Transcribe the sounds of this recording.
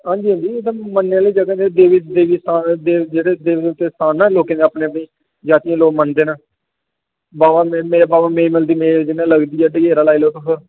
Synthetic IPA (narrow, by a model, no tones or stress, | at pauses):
ɦãːɲd͡ʒiːɦə̃nd̪iːet̪amənːeãːliːd͡ʒəɡãd͡ʒed̪eːʋɪd̪eːʋiːsaːd̪eːd͡ʒeːɽeːd̪eːʋɪd̪eʊt̪ːeːst̪aːnːãːloːkẽːnẽəːpnẽːpəĩː | d͡ʒaːt̪ijãːloːɡmənd̪eːnaː | baːʋãːmːmeːbaːʋãːmeːməld̪iːmeːd͡ʒɪnːãːləɡd̪iːɦɛːɖəɡeːɾaːlaːiloːk̪əkə